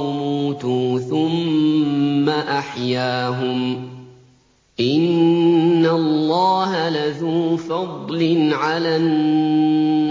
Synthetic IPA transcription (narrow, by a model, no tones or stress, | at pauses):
muːt̪uːθʊmː | aʔaħjaːɦʊm | ʔɪnː | alːɑːɦalaðuːfɑd̪ˤlɪnʕalan